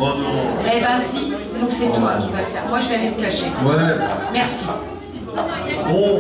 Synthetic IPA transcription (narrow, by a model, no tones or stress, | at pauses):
ʁɛvɛ̃si | nɔ̃ksɛt̪wakivafɛʁmwaʒəvealeməklaʃewamɛʁsi | ɔ̃